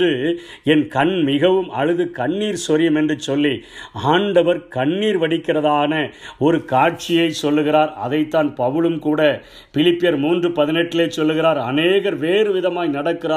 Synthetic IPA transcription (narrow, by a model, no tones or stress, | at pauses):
ɯ | ɛnkɐɳmɪɣɐʋɯmʔɐ̰ɻɯðɯkɐɳːiːɾsɔɾɪjɐmɛndrɯt͡ʃːɔlːiaːɳɖɐʋɐɾkɐɳːiːɾʋɐɽɪkːɪrɐðaːnɐɔɾɯkaːʈ̚t͡ʃɪjɐɪsɔlːɯɣɪɾaːɾɐ̰ðɐɪt̪ːaːnpɐʋɯɭɯmkuːɽɐ | pɪlɪpːɪjɐɾmuːndrɯpɐðɪnɛʈːɪleːt͡ʃːɔlːɯɣɪɾaːɾɐneːɣɐɾʋeːrɯʋɪðɐmaːjnɐɽɐkːɪɾaː